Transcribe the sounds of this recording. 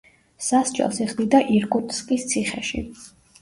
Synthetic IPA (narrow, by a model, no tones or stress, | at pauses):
sasd͡ʒʼɛ̰lˠsiχʼd̪id̪aʔiɾkʼut̪ʼskʼist̪sʰiχɛ̰ʃḭ